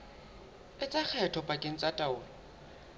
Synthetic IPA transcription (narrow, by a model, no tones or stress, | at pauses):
ɪt͡sʼak͡xʰɛtʰɔpʼakʼeŋ̩t͡sʼatʼaʊːlɔ